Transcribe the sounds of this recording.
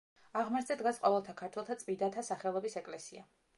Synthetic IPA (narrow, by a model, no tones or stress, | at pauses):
aʁmaɾd̪zɛd̪ɡasqʼɔvɛlˠt̪ʰakʰaɾt̪ʰwɛlˠt̪ʰat̪sʼmid̪at̪ʰasaχɛlˠɔbisɛkʼlɛsia